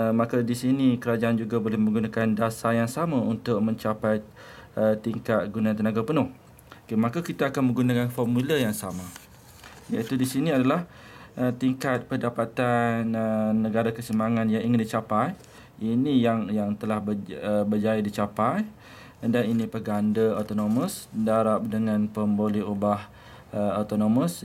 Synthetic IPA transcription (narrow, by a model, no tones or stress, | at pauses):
mãkadisinikəɾad͡ʒaʔand͡ʒuɡabolɛhmə̃ŋɡunakandasajaŋsamaunt̪ʊk̚mə̃ɲt͡ʃapaj | ət̪iŋkat̪̚ɡunãnt̪ənaɡapənʊh | okemãkakit̪aakanmə̃ŋɡunakanfɔrmuləjaŋsama | ja̰it̪udisinĩadalah | ʔət̪iŋkat̪̚pədapat̪anəːə̃ɡaɾakəsəmaŋãnjaŋiŋəndit͡ʃapaj | inĩjaŋjaŋt̪əlahbəəbəd͡ʒajadit͡ʃapaj | daninĩpəɡandəot̪onomə̃sdaɾap̚dəŋãnpəmboliɦubah | əot̪onoməs